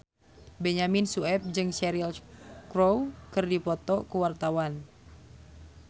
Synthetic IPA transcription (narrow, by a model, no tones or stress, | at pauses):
bɛɲaminsuɛp̚d͡ʒɨŋsɛɾilkɾowkɨrdipɔt̪ɔkuwart̪awan